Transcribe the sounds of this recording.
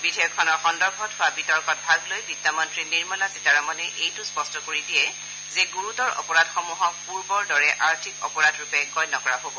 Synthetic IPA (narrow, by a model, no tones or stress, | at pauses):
bidʰʱijɔkʰːɔnɔɹxɔndɔɹbʱɔtɦʊabitɔɹkɔt̚bʱaɡlojbidamɔntɹiniɹmalasitaɹamɔnɛʔejtʊspɔstɔkoɹidijɛ | zeɡuɹutɔɹɔ̰pɔɹadxɔmuɦɔk̚puɹbɔɹdɔɹɛʔaɹtʰikɔ̰pɔɹadɹupɛɡɔjnɔkɔɹaɦobɔ